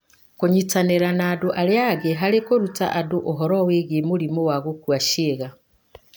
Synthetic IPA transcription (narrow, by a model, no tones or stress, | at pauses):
koɲitaneɾanaːdoʔaɾeaɣeɦaɾekoɾuta̰ʔadoʔoɦɔɾɔweɣemoɾimowaɣokwaʃeɣa